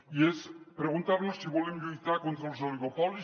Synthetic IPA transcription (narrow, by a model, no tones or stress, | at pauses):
iespɾeɣunt̪aɾnosːiβwolemʎujt̪aɾkont̪ɾalzoliɣopɔli